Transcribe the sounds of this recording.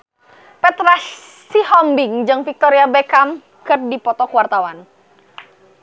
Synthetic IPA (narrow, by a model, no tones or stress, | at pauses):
pɛt̪ɾa | sihɔmbɪŋd͡ʒɨŋfik̚t̪ɔɾiabɛkam | kɨrdipɔt̪ɔkuwart̪awan